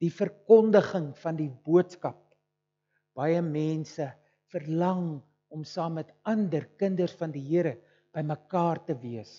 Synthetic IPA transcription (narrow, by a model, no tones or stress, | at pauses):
d̥ifərkɔndəχəŋfɐndibuətskɐp̚ | b̥ɐjəmɛːnsə | fərlɐŋ | ɔmsɑːmːɛtɐndərkəndərsfɐndiɦiəɾə | b̥əjməkɑːrtəviəs